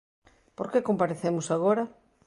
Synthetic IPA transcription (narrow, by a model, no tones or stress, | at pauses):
poɾkekompaɾeθemʊsaɣ̞oɾɐ